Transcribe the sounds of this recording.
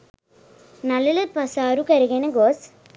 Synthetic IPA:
nɐlːɪlɨpɐsaːɾukɐɾɯɣenɐɡoːs

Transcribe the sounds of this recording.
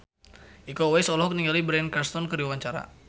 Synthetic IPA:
ʔikowɛsɔlɔɔk̚niŋɡalibɾɛnkarst̪ɔnkəɾiwawaɲt͡ʃaɾa̰

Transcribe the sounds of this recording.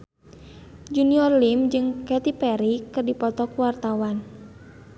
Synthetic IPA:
d͡ʒuniɔrlimd͡ʒɨŋkɛt̪ipɛɾikɨrdipɔt̪ɔkuwart̪awan

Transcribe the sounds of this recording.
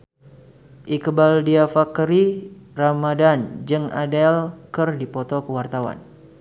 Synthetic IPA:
ʔikəbaldiafakɾiramadand͡ʒɨŋa̰dɛlkərdipɔt̪ɔkəwart̪awa̰n

